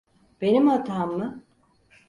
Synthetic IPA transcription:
b̥e̞nimhat̪ʰaːmːɯ

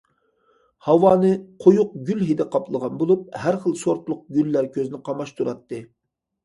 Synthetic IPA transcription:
hɑwɑːnɨqʰojʊq̚ɡʲylɦid̪ɛqʰɑplˠəʁɑnbolˠup̚hæɾχəlˠsoɾt̪lˠʊq̚ɡʲylːæɾkʲʰøzɪnɪqʰɑmɑʃt̪ʰuɾɑt̪ːɨ

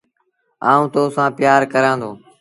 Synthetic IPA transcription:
aːũːt̪oːsãːpɪjaːɾkəɾãːnd̪oː

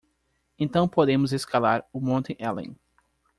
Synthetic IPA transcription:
ẽnt̪ɐ̃w̃pod̪ẽmʊzeskalaɾʊmõnt̪ẽʔɛlḛ̃

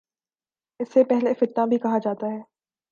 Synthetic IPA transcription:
ɪsːepɛɦlefɪʈ̪ːãbʱikɐɦad͡ʒaːt̪aɦɛː

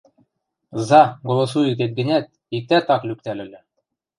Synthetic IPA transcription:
zɑɡolˠŏsuyt̪̬et̪̚ɡɘ̆nʲæt̪̚ | ik̚t̪æt̪ɑklyk̚t̪ælɘ̆lʲɘ̆

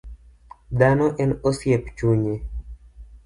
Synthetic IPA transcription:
d̪anoʔenosjept͡ʃuɲe

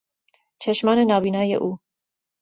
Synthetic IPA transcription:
t͡ʃʰɛʃmɑːnenɑːviːnɑːjḛʔuː

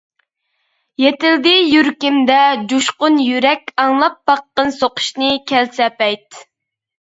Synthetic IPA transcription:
jet̪ɪld̪ɪjyɾkʲimd̪ɛd͡ʒuʃqʊnjyɾɛkʲɑŋlˠɑp̚bɑqːənsoqʰʊ̥ʃnɨkʲʰɛlsɛpɛjt̪

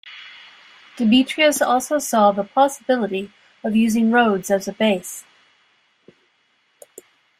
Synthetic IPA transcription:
d̥ɨmit͡ʃɹ̥iɨsɔlˠsoʊsɔðəpʰɑsəbɪlˠəɾi | ʌvjʉzɪ̃ŋɹoʊdzɨzɨbeɪs

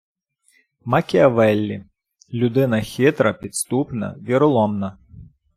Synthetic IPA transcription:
mɐkʲiɐʋɛlʲːi | lʲud̪ɪnɐxʲit̪ɾɐpʲit̪st̪upnɐ̰ʋʲiɾʊlˠɔmnɐ

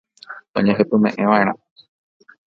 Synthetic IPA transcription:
õ̰ɲẽɦɨpɨmẽʔẽʋãʔẽɾ̃ã

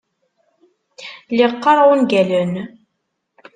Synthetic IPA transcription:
liqːɑɾˤʁʊnɡælən

